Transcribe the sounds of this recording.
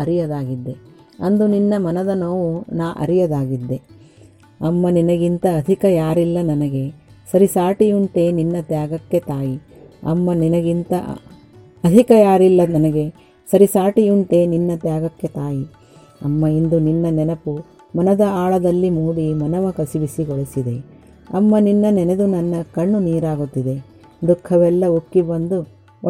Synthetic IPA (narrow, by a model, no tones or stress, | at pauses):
ɐɾijɐd̪aːɡid̪ːe | ɐnd̪uninːɐmɐnɐd̪ɐnɐʋunaːʔɐ̰ɾijɐd̪aːɡid̪ːe̞ | ɐmːɐninɐɡint̪ɐːd̪ʱikɐjaːɾilːɐnɐnɐɡe̞sɐɾisaːʈijuɳʈeːninːɐt̪jaːɡɐkːe̞t̪aːji | ɐ̰mːɐninɐɡint̪ɐ̰ | ɐd̪ʱikɐjaːɾilːɐnɐnɐɡe̞ | sɐɾisaːʈijuɳʈeːninːɐt̪jaːɡɐkːe̞t̪aːji | ɐ̰mːɐind̪uninːɐnɛnɐpu | mɐnɐd̪ɐaːɭɐd̪ɐlːimuːɽimɐnɐʋɐkɐsiʋisiɡɔɭisid̪e̞ | ɐ̰mːɐninːɐnɛned̪unɐnːɐkɐɳːuniːɾaːɡut̪ːid̪e̞ | d̪ukʰːɐʋɛlːɐukːibɐnd̪u